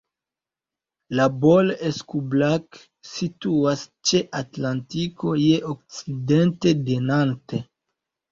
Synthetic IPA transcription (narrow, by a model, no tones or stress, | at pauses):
labo̞leskublak | situast͡ʃe̞ʔatlantiko̞je̞ʔok̚t͡side̞nte̞denante